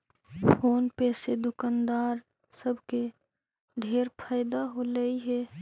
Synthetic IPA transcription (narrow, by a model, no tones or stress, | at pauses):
fʰoːnpɛːsed̪ʊkand̪aːɾ | səbʱke | ɖʱeːɾpʰaːjd̪aɦoləiɦɛː